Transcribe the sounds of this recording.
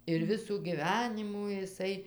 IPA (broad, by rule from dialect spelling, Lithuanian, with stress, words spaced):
ɪr ˈʋʲɪsuː ɡʲiːˈʋʲæːnʲɪmuː ɪˈsɐɪ